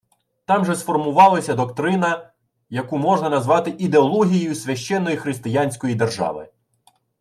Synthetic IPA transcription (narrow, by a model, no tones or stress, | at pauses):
t̪ɑmʒɛsfɔrmʊʋɑlˠɐsʲɐd̪ɔkt̪ɾɪnɐ | jɐkumɔʒnɐnɐzʋɑt̪ɪʔid̪eɔlˠɔɦʲijjʊsʲʋʲɐʃt͡ʃɛnːɔjixɾɪst̪ɪjanʲsʲkɔjid̪erʒɑ̰ʋɪ̰